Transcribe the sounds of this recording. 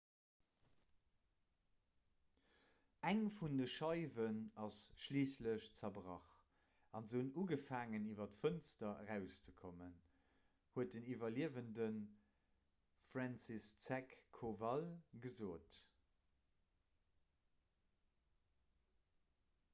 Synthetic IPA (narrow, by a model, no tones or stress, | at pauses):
æŋfundəʃɑɪvənɑsʃliːsləɕt͡sɐbʁɑ̰χ | ɑnzəunuːɡəfaːŋəniːvɐtfənstɐə̰ʁæʊst͡səkʰomən | huət̚dənivɐliəvəndən | fʁɑnsist͡sækʰːovɑlɡəzoːt